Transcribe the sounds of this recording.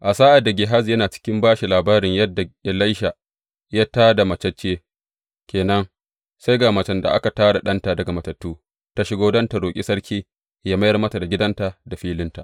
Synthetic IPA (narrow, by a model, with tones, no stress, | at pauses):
ʔa˨saː˦ʔa˨da˨ɡʲɪ˨ɦa˦zjɐ˦naː˨t͡ʃɪ̥˦kʲɪ˦mbaː˦ʃi˨laː˨baː˦ɾɪ˨ɲjɐ˦dːa˨e˨lɐ˦jʃa˨ | ja˦taː˦da˨mɐ˨t͡ʃɐ˦t͡ʃːeː˦ | kʲeː˨nɐ˦ŋ | sa˦jɡaː˨mɐ˨t͡ʃɐ˦nda̰˨ʔa̰˦ka˨taː˦da˨ɗɐ˦nta˨dɐ˨ɡa˨mɐ˨tɐ˨tːuː˦ | ta˦ʃɪ˦ɡoː˦dɐ˦nta˨ɽoː˨kʲʼḭ˦sɐ˦ɽkʲiː˦ | jaː˦ma˦jɐ˨mɐ˦ta˨da˨ɡʲɪ˦dɐ˦nta˨da˨ɸiː˦lɪ˦nta˨ʔ